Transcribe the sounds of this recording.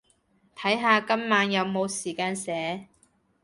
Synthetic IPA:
t̪ʰɐ˨˥jɦaː˧kɐ˥mːaː˨˧njɐ˨˧wmo˨˧wsiː˨˩kaː˧nsɛː˨˥

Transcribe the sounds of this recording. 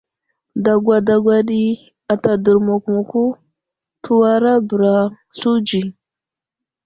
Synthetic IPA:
da˨ɡʷa˨da˨ɡwa˨ɗi˦ | a˨ta˨də˨ɾmo˨ku˨mu˨ku˦ | tʰu˦wa˦ɾa˦bə˨ɾa˨ | ɬu˦d͡ʒi˨

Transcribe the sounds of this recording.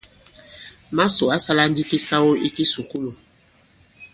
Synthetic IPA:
ma˦so˨a˦sa˦la˦n˦di˦ki˦sa˦wo˦ʔi˦ki˦su˨ku˦lo˨

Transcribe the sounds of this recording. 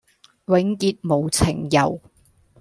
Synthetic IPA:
wɪ˨˥ŋkiː˧t̚mo˨˩wt͡sʰɪ˨˩ŋjɐ˨˩w

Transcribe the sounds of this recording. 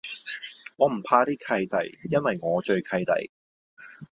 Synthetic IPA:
ŋɔː˨˧m̩˨˩pʰaː˧t̪iː˥kʰɐ˧jt̪ɐ̰˨˩jjɐ˥nwɐ˨jŋɔː˨˧t͡ʃɵ˧ɥkʰɐ˧jt̪ɐ̰˨˩j

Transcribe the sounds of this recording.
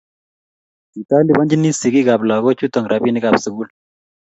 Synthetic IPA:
i˨ta˦li˨bɔ˦ɲd͡ʒi˦ni˦si˨ki˦ka˨pla˨ɣo˦t͡ʃu˦tɔ˨ŋɾa˨bi˦ni˦ka˨psu˨ku˦l

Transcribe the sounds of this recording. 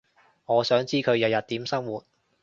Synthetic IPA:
ŋɔː˨˧sœː˨˥ŋt͡siː˥kʰɵ˨˧ɥjɐ˨˧wjɐ˨t̚t̪iː˨˥msɐ˥ŋwuː˨t̚

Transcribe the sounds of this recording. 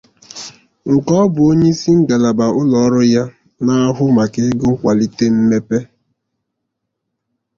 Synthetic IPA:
ŋ̩˨kɔ˦bʊ˨o˦ɲe˦si˦ŋ̩˦ɡa˨la˨ba˨ʔʊ˦lɔ˨˦ɾʊ˦ja˦ | na˦a˦ɦʊ˦ma˨kɪ˦ɡʊ˦kʷa˨li˦te˦m̩˦me˦pe˦

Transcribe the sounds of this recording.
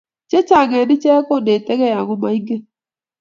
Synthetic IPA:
t͡ʃe˦t͡ʃa˨ɡɛ˨nɪ˦t͡ʃɛ˦ko˦˨nde˨tɛ˦ɣɛ˦ja˨ɣo˦ma˨i˦ŋɡe˦

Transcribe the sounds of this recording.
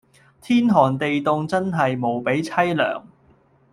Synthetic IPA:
t̪ʰiː˥nɦɔː˨˩nt̪e˨jt̪ʊ˧ŋt͡sɐ˥nɦɐ˨jmo˨˩wpe˨˥jt͡sʰɐ˥jlœ̰ː˨˩ŋ

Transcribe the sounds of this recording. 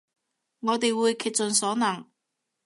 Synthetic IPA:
ŋɔː˨˧t̪e˨jwuː˨˧jkʰiː˨t̚t͡sɵ˨nsɔː˨˥nɐ˨˩ŋ

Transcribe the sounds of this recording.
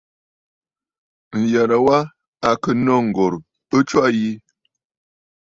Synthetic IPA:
n̩˨ja˨ɾa˨wa˦ | a˨kə˨nɔ˦ŋ̩˨ɡo˨ɾ | ə˦t͡ʃwa˦ji˦

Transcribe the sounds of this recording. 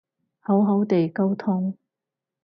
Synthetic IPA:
ho˨˥wɦo˨˥wt̪e˨jko˥wt̪ʰʊ˥ŋ

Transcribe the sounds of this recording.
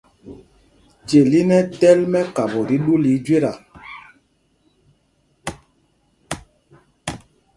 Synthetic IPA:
t͡ʃe˨li˦nɛ˦tɛ˦lmɛ˦ka˨bɔ˨ɾi˦ɗu˦li˨˦d͡ʒwe˦ɾa˨

